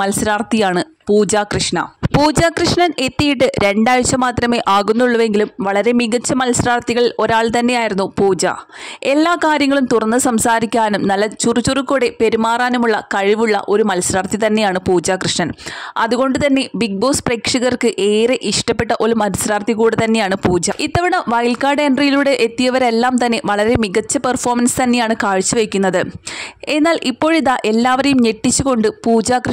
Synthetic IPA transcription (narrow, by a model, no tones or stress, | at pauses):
ɐlɐsiɾaːrt̪ijaːɳɨ | puːd͡ʑaːkrɨʂɳɐ̰puːd͡ʑaːkrɨʂɳɐne̞t̪ːijiʈːɨɾe̞ɳɖaːjut͡ɕːɐmaːt̪rɐme̞ːʔaːɣunːuɭːɐʋe̞ŋɡilumʋɐɭɐɾe̞miɣɐt͡ɕːɐmɐlsiɾaːrt̪iɣɐɭo̞ɾaːɭt̪ɐnːe̞jaːjiɾunːupuːd͡ʑa̰ːe̞lːaːkaːɾjɐŋːɐɭumt̪urɐnːɨsɐmsaːɾikʲːaːnumnɐlːɐt͡ɕurut͡ɕurukːuːɽe̞pe̞ɾimaːraːnumuɭːɐkɐɻiʋuɭːɐ̰ʔo̞ɾumɐlɐsiɾaːrt̪it̪ɐnːe̞jaːɳɨpuːd͡ʑaːkrɨʂɳɐnɐ̰ðuɣo̞ɳɖɨt̪ɐnːe̞bik̚bo̞ːspreːkʂɐɣɐrkɨʔe̞ːɾeʔiʂʈɐpːe̞ʈːɐʔo̞lumɐlɐsɾaːrt̪ʰiɣuːɽet̪ɐnːe̞jaːɳɨpuːd͡ʑait̪ːɐʋiɳɐʋɐjlkaːɖe̞nɖrijiluɽe̞ʔet̪ːijɐʋɐɾelːaːmt̪ɐnːe̞ʋɐɭɐɾe̞miɣɐt͡ɕːɐpɐrfo̞ːrmɐnsɨ̥t̪ɐnːe̞jaːɳɨkaːɻt͡ɕːuʋejkʲːunːɐðɨe̞nːaːlʔipːo̞ːɻiðaʔe̞lːaːʋɐɾejumɲe̞ʈːit͡ɕːuɣo̞ɳɖɨpuːd͡ʑaːkr